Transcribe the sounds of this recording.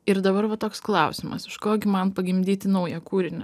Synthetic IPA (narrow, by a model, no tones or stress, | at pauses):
ɪɾd̪ɐbɐɾʋɐt̪oːksklˠɐʊsʲɪmɐ̰sɪʃkoːɡʲɪmɐnpɐɡʲɪmʲd̪ʲiːt̪ʲɪnɐʊjɛkuːɾʲɪnʲɛ